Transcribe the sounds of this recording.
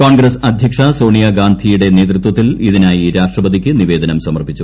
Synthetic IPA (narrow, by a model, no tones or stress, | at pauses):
koːɳɡɾɐsɐd̪ʱjɐkʂɐso̞ːɳijɐɡaːnd̪ʱijuɽe̞ne̞ːt̪rut̪wɐt̪ːiliðinaːjiɾaːʂʈrɐbɐd̪ikʲːɨniʋe̞ːd̪ʱɐnɐmsɐmɐrpit͡ɕːu